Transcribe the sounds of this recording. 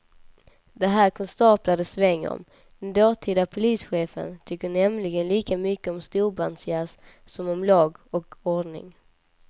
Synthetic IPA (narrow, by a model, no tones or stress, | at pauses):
d̪ɛɦæːɾkʰɔnst̪ɑːplad̪əsvɛŋːɔ̰m | d̪̥ɛnd̪ɑːt̪ʰiːd̪apʰʊliːsɧeːfə̰nt̪ʰʏkːəɳɛmlɪɡənliːkamʏkːəɔmst̪uːɾbansɪas | sɔmɔmlɑːɡɔkɔɖɳɪ̰ŋ